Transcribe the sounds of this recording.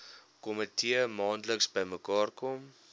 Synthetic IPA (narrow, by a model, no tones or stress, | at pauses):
kɔmətʰiəmɑːntləksbəjməkɑːrkɔm